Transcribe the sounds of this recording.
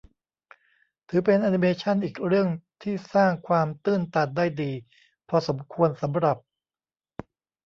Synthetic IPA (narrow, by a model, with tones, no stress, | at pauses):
t̪ʰɯː˩˦pe˧nʔa˧ni˧meː˧t͡ɕʰa˥˩nʔiː˨˩k̚ɾɯ˥˩əŋt̪ʰiː˥˩saː˥˩ŋkʰwaː˧mt̪ɯː˥˩nt̪a˨˩t̪̚daː˥˩jdiː˧ | pʰɔː˧so˩˦mkʰu˧ənsa˩˦mɾa˨˩p̚